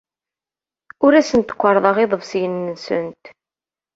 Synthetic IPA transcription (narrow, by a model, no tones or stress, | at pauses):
ʊɾæsənt̪ə̥kʷːɑɾˤðˤɑʁeðˤəvsjənːsə̰nt̪